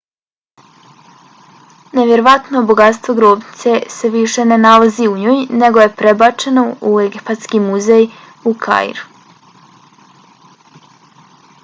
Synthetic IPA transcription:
ne̞ʋje̞ɾoʋat̪noboɡat̪st̪ʋo̞ɡɾobni̥t̪se̞seʋiʃe̞ne̞nalaziuɲoːjne̞ɡo̞je̞pɾebat͡ʃe̞no̞ueɡipat̪skimuzej | ukʰa̰j̰ɾu

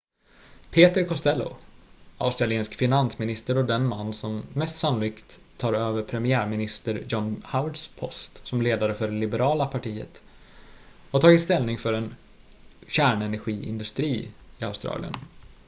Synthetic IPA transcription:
pʰeːt̪əɾkʰɔst̪ɛlːʊ̰a̰ʊst̪ɾalɪeːnskfɪnansmɪnɪst̪əɾɔd̪ɛnmanːsɔmːɛst̪sanʊliːkt̪ʰːɑːɾøːvəɾpʰɾɛmɪæːɾmɪnɪst̪əɾjɔnhawɖspʰɔst̪sɔmleːd̪aɾəfœɖɛlɪbɛɾɑːlapʰaʈʰiːə̰t̪ | hat̪ʰɑːɡɪt̪st̪ɛlnɪŋfœɾɛn | ɕæːɳɛnæɾɧiːɪ̰nd̪ɵst̪ɾiːɪaʊst̪ɾɑ̰ːlɪ̰ə̰n

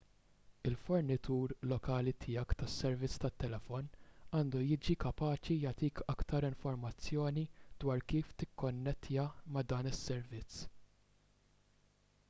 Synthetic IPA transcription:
ɪlfɔɾnɪt̪uːɾlɔkɐːlit̪ʰɪjɐkt̪ɐsːɛɾvɪt͡sːt̪ɐt̪ːɛlɛfɔnɐːnd̪ujɪːd͡ʒikɐpɐːt͡ʃijɐt̪iːkʰɐkt̪ɐɾɪɱfɔɾmɐt͡sːjɔːnid̪wɐːɾkiːft̪ɪkːɔnːɛt̪ʰːɪjɐmɐd̪ɐːnɪsːɛɾvɪt͡sː

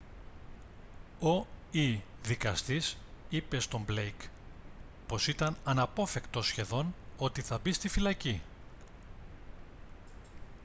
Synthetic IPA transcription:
o̞iðikɐst̪isipe̞st̪o̞mble̞jk | po̞sit̪ɐnɐnɐpo̞fe̞kt̪o̞sçe̞ðo̞no̞t̪iθɐbist̪ifilɐci

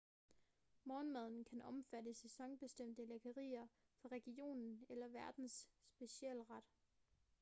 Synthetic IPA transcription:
mɒːnmæð̞ˠn̩kʰænʔɒ̽mfædəsesɒ̽ŋb̥e̝sd̥em̰d̥əlekʰɐʁḭːɐ | fɑ̈ʁɛɡ̥io̝̰ːnn̩elɐʋæɐd̥n̩sːb̥e̝ɕiɛ̰ːlʁɑd̥

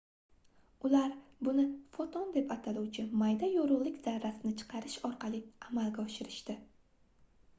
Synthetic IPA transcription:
ʊlaɾbʊnɪfot̪ʰɒnd̪e̞pat̪ʰaluwt͡ʃʰɪmajd̪ajoɾʊʁlˠɪkʲz̥aɾːasɪnɪt͡ʃʰɨ̥qʰɑɾɪʃɒɾqʰɑlˠiamalɡʲaɒʃɪɾɪʃt̪ɪ

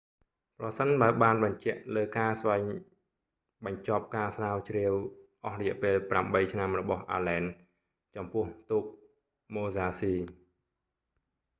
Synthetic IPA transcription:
prɑsənɓaəlɓaːnɓɑɲt͡ɕɛ̆əʔləːkaːsʋaɛŋ | ɓɑɲt͡ɕop̚kaːsraːwt͡ɕriəwʔɑhrɔjɛ̆ʔpeːlpramɓəjt͡ɕʰnamrɔɓɑhʔa̰ːlɛːn | t͡ɕɑmpʊ̆əht̪uːk̚ | moːzaːsiː

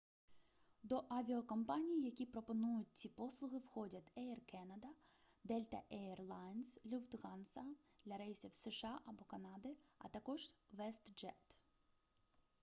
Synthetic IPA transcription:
d̪ɔʔɐʋʲiɔkɐmpɑnʲijjɐkʲipɾɔpɔnujʊt̚ʲt͡sʲipɔslˠʊɣɪwxɔdʲɐt̪ʲɛɛrkɛnɐd̪ɐ | d̪ɛlʲt̪ɐ̰ʔɛɛrlˠɑjnslʲuft̪ɣɑnsɐd̪lʲɐɾɛjsʲiwsɛʃɑʔɐbɔkɐnɑd̪ɪɐ̰t̪ɐkɔʒʋɛst̪d͡ʒɛt̪

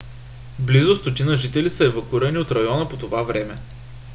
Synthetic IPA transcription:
blizʊst̪ot̪inəʒit̪ɛlisəɛvɐkuiɾəniot̪ɾɐjɔnəpot̪ovavɾɛmɛ

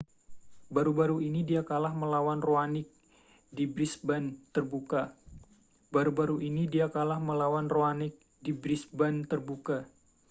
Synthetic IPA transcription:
baɾubaɾuinidiakalahməlawanroanɪk̚ | dibɾisbant̪ərbuka | baɾubaɾuʔinidiakalahməlawanroanɪk̚ | dibɾisbant̪ərbuka

